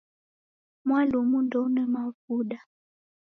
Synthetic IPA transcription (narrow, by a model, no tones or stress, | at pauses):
mwalumundɔunɛmavuɗa